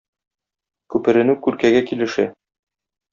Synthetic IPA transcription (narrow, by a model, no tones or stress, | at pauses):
kʉpɘ̆ɾɘ̆nɘkʉɾkæɡækilɘ̆ʃæ